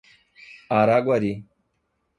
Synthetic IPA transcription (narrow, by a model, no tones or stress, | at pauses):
aːɾaːɡwaɾiː